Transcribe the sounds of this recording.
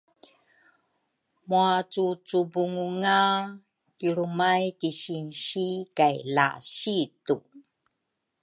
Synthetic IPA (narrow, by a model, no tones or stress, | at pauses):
muat͡sut͡subuŋuŋa | kiɾumajtiɕinɕikajla̰ɕitu